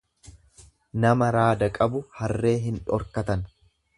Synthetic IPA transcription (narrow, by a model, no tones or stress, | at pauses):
nɐmɐɾaːd̪ɐkʼɐbʊhɐrːe̞ːɦɪnᶑɔ̰ɾkɐt̪ɐn